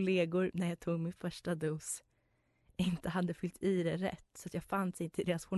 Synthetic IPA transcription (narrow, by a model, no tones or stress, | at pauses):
leːɡʊɾnæɾjɑːt̪ʰuːɡmɪnfœʂʈad̪uːs | ʔɪnt̪əɦad̪ːəfʏlt̪ʰiːd̪ɛɾɛ̰t̪ːsɔat̪jɑːɡfanːsɪnt̪ʰəld̪eːɾasɧʊ